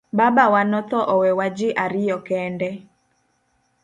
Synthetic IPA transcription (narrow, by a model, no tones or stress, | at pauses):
babawanɔt̪ɔʔɔwɛwad͡ʒɪʔaɾɪjɔkɛndɛ